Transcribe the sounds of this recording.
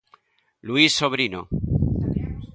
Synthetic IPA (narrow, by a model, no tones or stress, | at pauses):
luisːo̞β̞ɾino̰